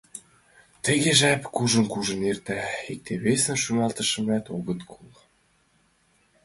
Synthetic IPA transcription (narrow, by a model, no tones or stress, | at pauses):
t̪ə̆ɣeʒæpkuʒə̆nkuʒə̆nert̪æik̚t̪eβesə̆nʃumɑlˠt̪ə̆ʃə̆mæt̪oɣə̆t̪kʰulˠ